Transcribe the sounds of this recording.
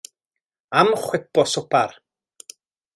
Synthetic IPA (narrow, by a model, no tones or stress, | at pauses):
amχwɪpɔsʊpʰar